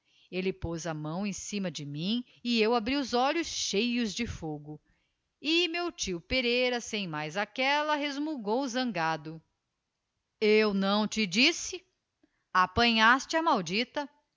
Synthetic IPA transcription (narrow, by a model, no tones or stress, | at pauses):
elɪpozɐmɐ̃w̃ẽj̃sĩmɐd͡ʒɪmĩ | ɪewabɾiʊzɔʎʊsʃejʊzd͡ʒɪfoɡʊ | ɪmewt͡ʃiʊpeɾejɾɐsẽj̃majzakɛlɐɦezmuɡowzɐ̃ŋɡad̪ʊ | ewnɐ̃w̃t͡ʃɪd͡ʒisɪ | apɐ̃ɲast͡ʃɪɐmawd͡ʒit̪ɐ